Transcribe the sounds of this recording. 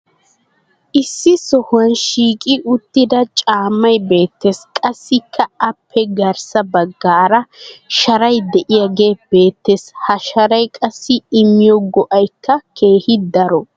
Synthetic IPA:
ʔɪsːɪsɔhʊɐnʃiːkʼɪʔʊt̪ːɪd̪ɐt͡ʃʼaːmːɐjbe̞ːt̪ːeskʼɐsːɪkʰːɐɐpʰːɛɡɐɾsɐbɐɡːaːɾɐʃɐɾɐjd̪ɛʔɪjaɡe̞ːb̥e̞ːt̪ːeshɐʃɐɾɐjkʼɐsːɪɪmːɪjɔɡɔʔɐjkːɐkʰe̞ːhɪd̪ɐɾɔ

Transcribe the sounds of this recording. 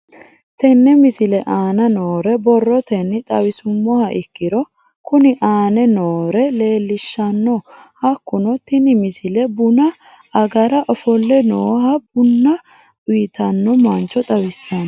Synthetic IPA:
t̪ɛnːɛmɪsɪlɛʔaːnɐnoːɾɛbɔrːɔt̪ɛnːɪt̪ʼɐwɪsʊmːɔhɐʔɪkːɪɾɔ | kʊnɪʔaːnɛnoːɾɛle̞ːlːɪʃːɐnːɔhɐkːʊnɔt̪ɪnɪmɪsɪlɛbʊnɐː | ɡɐɾɐʔɔfɔlːɛnoːhɐbʊnːɐ | ʊjɪt̪ɐnːɔmɐnt͡ʃːɔt̪ʼɐwɪsːɐn

